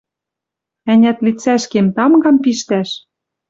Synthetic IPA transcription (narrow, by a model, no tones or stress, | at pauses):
ænʲæt̪lit͡sæʃkemt̪ɑmɡɑmpiʃt̪æʃ